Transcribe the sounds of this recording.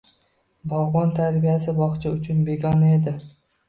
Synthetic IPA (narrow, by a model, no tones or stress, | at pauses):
bɒwʁɒnt̪ʰaɾbijasɪbɒχt͡ʃʰaʊt͡ʃʰʊnbe̞ɡʲɒned̪ɪ